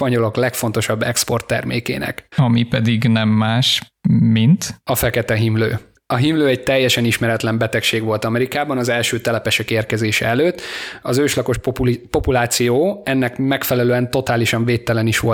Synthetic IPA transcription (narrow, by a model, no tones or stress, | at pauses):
pɒɲo̞lo̞klɛkfo̞n̪t̪o̞ʃɒbːɛkspo̞rt̪ːɛ̰rmḛːkḛːnɛ̰kɒmipɛd̪iɡnɛmːaːʃ | mint̪ɒfɛkɛt̪ɛɦimlø̰ː | ɒɦimløːɛɟ̚t̪ɛjːɛʃɛniʃmɛɾɛt̪lɛmbɛt̪ɛkʃeːɡʋo̞lt̪ɒmɛɾikaːbɒnɒzɛlʃøːt̪ɛlɛpɛʃɛkeːrkɛzeːʃɛ̰ɛløːt̪ːɒzøːʃlɒkoʃppo̞pulaːt̪sijoːɛnːɛkmɛkfɛlɛløːɛnt̪o̞t̪aːliʃɒɱveːt̪ːɛlɛniʃʋo̞